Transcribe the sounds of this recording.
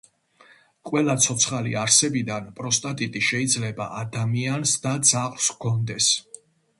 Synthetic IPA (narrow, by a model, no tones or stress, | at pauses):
qʼwɛlat̪sʰɔt̪sʰχaliaɾsɛbid̪anpʼɾɔst̪ʼat̪ʼit̪ʼiʃɛid̪zlɛba̰ʔad̪amiansd̪ad̪z̥aχlskʰɔnd̪ɛs